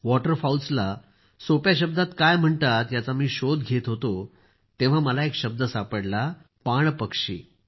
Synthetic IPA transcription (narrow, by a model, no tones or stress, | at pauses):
ʋɔʈəɾfawlsla | sopjaɕ̬əb̚d̪ʱat̪kajm̤əɳt̪at̪jat͡samiːɕod̪ɡʱet̪ɦot̪o | t̪ẽʋ̤aməlaekɕəb̚d̪əsapəɽla | paɳpəkʂḭː